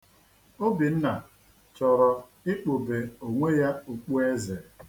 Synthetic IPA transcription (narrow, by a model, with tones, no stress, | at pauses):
o˦bi˨n̩˦na˨ | t͡ʃɔ˨ɾɔ˨ | ɪ˦k͡po˨be˨o˨ŋʷe˦ja˦o˨k͡pu˦e˦ze˨